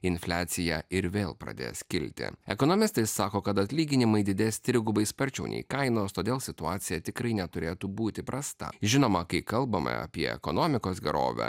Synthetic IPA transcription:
ɪnfʲlʲæːt̪sʲɪjɛɪɾʋʲeːlˠpɾɐ̰d̪ʲḛːskʲɪlʲt̪ʲɪ̰ɛkɔnoːmʲɪst̪ɐɪsːɑːkoːkɐt̪ɐt̪ʲlʲiːɡʲɪnʲɪmɐɪd̪ʲɪd̪ʲeːsʲt̪ʲɾʲɪɡʊbɐɪspɐɾʲt͡ʃʲɛʊnʲɛ̰ɪkɐɪnoːst̪oːd̪ʲeːlˠsʲɪt̪ʊɑːt̪sʲɪjɛt̪ʲɪkɾɐɪnʲɛt̪ʊɾʲeːt̪uːbuːt̪ʲɪpɾʔɐst̪ɐ̰ʒʲɪnoːmɐkɐɪkɐlˠbɐmɐ̰ɐ̰pʲiɛ̰ɛ̰konoːmʲɪkoːsɡʲɛɾo̰ːʋʲɛ̰

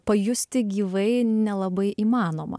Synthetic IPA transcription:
pɐjʊsʲt̪ʲɪɡʲiːʋɐɪnʲɛlˠɐbɐɪʔiːmɑːnoːmɐ̰

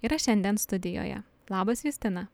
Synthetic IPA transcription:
iːɾɐʃʲɛnʲd̪ʲɛnst̪ʊd̪ʲɪjo̰ːjɛ̰ | lˠɑːbɐsjusʲt̪ʲɪnɐ

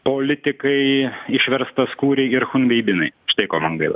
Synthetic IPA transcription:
poːlʲɪt̪ʲɪkɐɪɪʃʲʋʲɛɾst̪ɐskuːɾʲɛɪɪɾxʊnʲʋʲɛɪbʲɪnɐɪʃt̪ɐɪkoːmɐŋɡɐɪlˠɐ̰

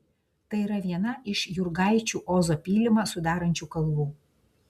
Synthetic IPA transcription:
t̪ɐɪiːɾɐʋʲiɛnɐʔɪʃjʊɾɡɑˑɪt͡ʃʲuːʔoːzoːpʲiːlʲɪmɐsʊd̪ɑːɾɐnʲt͡ʃʲuːkɐlˠʋuː

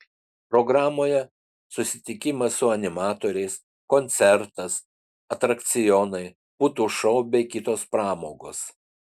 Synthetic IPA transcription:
pɾɔɡɾɑːmoːjɛ | sʊsʲɪt̪ʲɪkʲɪmɐsʊɐnʲɪmɑːt̪oːɾʲɛɪs | konʲt̪sʲɛɾt̪ɐs | ɐt̪ɾɐkt̪sʲɪjɔnɐɪ | put̪uːʃɔʊbʲɛɪkʲɪt̪oːspɾɑːmoːɡoːs

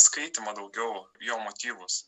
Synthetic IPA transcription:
skɐɪt̪ʲɪmɐd̪ɐʊɡʲɛʊjoːmot̪ʲiːʋʊs

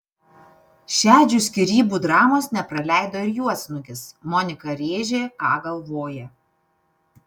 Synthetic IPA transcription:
ʃʲæːd͡ʒʲusʲkʲɪɾʲiːbuːd̪ɾɑːmoːsnʲɛpɾɐlʲæˑɪd̪oːɪɾjuɔsʲnʊkʲɪsmɔnʲɪkɐɾʲeːʒʲeːkɑːɡɐlˠʋoːjɛ

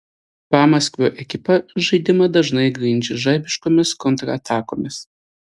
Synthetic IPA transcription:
pɑːmɐsʲkʲʋʲoːʔɛkʲɪpɐʒɐɪd̪ʲɪmɐd̪ɐʒnɐɪɡɾʲɪnʲd͡ʒʲɛʒɐɪbʲɪʃkoːmʲɪskɔnt̪ɾɐːt̪ʰɑːkoːmʲɪs

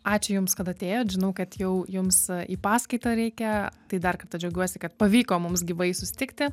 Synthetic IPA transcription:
ɑːt͡ʃʲʊjʊmskɐt̪ɐt̪ʲeːjoːʒʲɪnɐʊkɐt̪jɛʊjʊmsiːpɑːskɐɪt̪ɐɾʲɛɪkʲɛt̪ɐɪd̪ɐrkɐrt̪ɐd͡ʒʲɛʊɡʲuɔsʲɪkɐt̪̚pɐʋʲiːkoːmʊmsɡʲɪʋɐɪsʊsʲɪ̥t̪ʲɪkt̪ʲɪ

